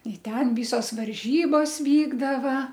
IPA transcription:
ɪ ˈtʲɛn ˈʋʲiːsoːs ʋɐrʲˈʒʲiːboːs ˈʋʲiːɡdɐʋɐ

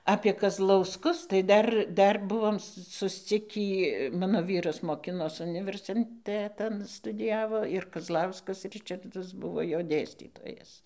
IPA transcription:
ɐpʲiɛ kɐzlˠɐʊsˈkʊs tɐɪ ˈdɐr ˈdɐr ˈbʊʋoːm sʊsʲˈt͡sʲɪkʲiː ˈmɑːnoː ˈʋʲiːrɐs moːˈkʲɪnoːs ʊnʲɪʋʲɛrʲsʲɪnʲˈtʲæːtɐn stʊdʲɪˈjæːʋoː ɪr kɐzˈlˠɐʊskɐs ˈrʲɪt͡ʃɐrdɐs ˈbʊʋoː ˈjoː ˈdʲeːsʲtʲiːtoːjɛs

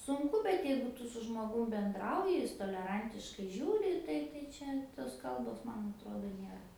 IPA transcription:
sʊŋˈkʊ bʲɛt ˈjɛɪɡʊ ˈtʊ sʊ ʒmoːˈɡʊm bʲɛnˈdrɐʊjɪ ˈjɪs toːlʲɛˈrɐnʲtʲɪʃkɐɪ ˈʒʲuːrʲɪ ˈtɐɪ tɐɪ ˈt͡ʃʲɛ toːs ˈkɐlˠboːs ˈmɐn ɐtˈroːdoː ˈnʲeːrɐ

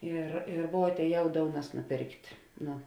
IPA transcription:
ˈɪr ɪ ˈʋuɔ ɐtʲɛːˈjɛʊ ˈdoːʊnɐs nʊˈpʲeːrktʲ ˈnʊ

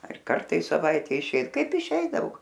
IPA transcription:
ɐr ˈkɐrtɐ ɪ sɐˈʋɐɪtʲɛ ɪˈʃʲeːj ˈkɐɪp ɪˈʃʲɛɪdɐʋoː

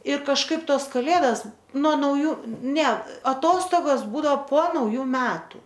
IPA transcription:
ɪ kɐʃˈkɐɪp ˈtoːs kɐˈlʲeːdɐs nuɔ nɐʊˈjuː nʲɛ ɐˈtoːstoːɡoːs ˈbuːdɐoː poː nɐʊˈjuː ˈmʲæːtʊ

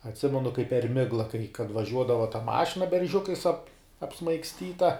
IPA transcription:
ɐtʲˈsʲɪmʲɛnʊ kɐɪp pʲɛr ˈmʲɪɡlˠɐ kɐɪ kɐt ʋɐˈʒʲuɔdɐʋɐ tɐ ˈmɑːʃʲɪnɐ bʲɛrʲˈʒʲʊkɐɪs ɐp ɐpsmɐɪksʲˈtʲiːtɐ

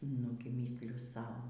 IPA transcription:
ˈnʊɡʲɪ ˈmʲiːsʲlʲʊ ˈsɐʊ

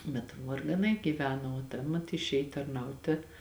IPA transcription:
bʲɛt ʋɐrɡɐˈnɐɪ ɡʲiːˈʋʲæːnoː oː ˈtɐ mɐt ɪʃʲˈeːj tɐrˈnɐʊtʲeː

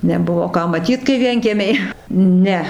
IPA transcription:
nʲɛˈbʊʋoː ˈkɑː mɐˈtʲiːt kɐɪ ˈʋʲiɛŋʲkʲiɛmʲɛɪ ˈnʲɛ

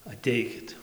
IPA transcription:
ɐˈtʲɛɪkʲɪt

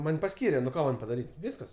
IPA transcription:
ˈmɐnʲ pɐˈsʲkʲiːrʲɛ nʊ ˈkoː ˈmɐnʲ pɐdɐˈrʲiːtʲ ˈʋʲɪskɐs

